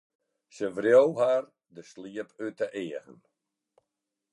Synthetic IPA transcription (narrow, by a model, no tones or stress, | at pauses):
səʋrjowɦar | dəsliəpʰytəʔɪəɣə̰n